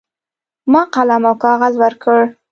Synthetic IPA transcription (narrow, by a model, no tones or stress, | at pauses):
mɑqalamawkɑɣazwəɾkʰəɽ